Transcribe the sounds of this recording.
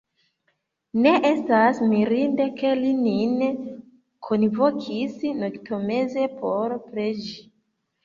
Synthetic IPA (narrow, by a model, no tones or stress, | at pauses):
ne̞ʔestasmiɾinde̞ke̞linin | kʰonvokʰisnoktome̞ze̞pʰo̞ɾpɾed͡ʒi